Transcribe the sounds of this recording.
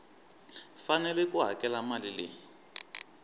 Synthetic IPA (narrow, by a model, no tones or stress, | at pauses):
fanɛlɛkuɦa̰kʼɛlamalilɪ